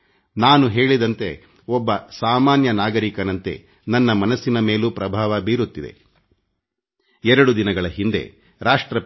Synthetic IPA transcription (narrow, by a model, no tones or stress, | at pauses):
naːnuɦe̞ːɭid̪ɐnt̪e̞ | ɔbːɐsaːmaːnjɐnaːɡɐɾikɐnɐnt̪e̞̰ | nɐnːɐmɐnɐsːinɐme̞ːlupɾɐbʱaːʋɐbiːɾut̪ːid̪ḛ | ɛɾɐɽud̪inɐɡɐɭɐɦind̪e̞̰ | ɾaːʂʈɾɐ